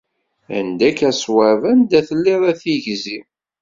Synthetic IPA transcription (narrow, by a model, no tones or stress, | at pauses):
æ̰nd̪ækæswævænd̪æθəlːiɾˤæθiʝzi